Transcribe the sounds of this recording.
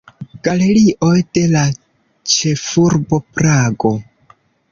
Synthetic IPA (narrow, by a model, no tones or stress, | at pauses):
ɡ̥ale̞ɾiʔo̞jd̥e̞la | t͡ʃe̞fuɾbo̞pɾaɡo̞